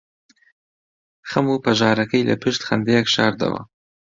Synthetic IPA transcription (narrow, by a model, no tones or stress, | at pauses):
xamupaʒɑːɾakəjla̰pɪʃt̪xand̪ejakʃɑɾd̪a̰wa̰